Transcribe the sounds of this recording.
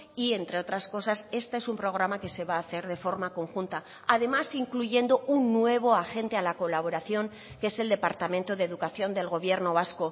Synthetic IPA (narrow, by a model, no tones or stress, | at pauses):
ient̪ɾe̞o̞t̪ɾasko̞sase̞st̪ee̞sumpɾo̞ɣ̞ɾamake̞se̞βaːθe̞ɾð̞e̞fo̞ɾmako̞ŋxunt̪a | aðe̞masiŋkluʝe̞nd̪ounːwe̞β̞o̞axe̞nt̪e̞alako̞laβ̞o̞ɾaθjo̞ŋ | keese̞ld̪e̞paɾt̪amẽnt̪oðeðukaθjo̞nd̪e̞lɣo̞β̞je̞ɾno̞β̞asko̞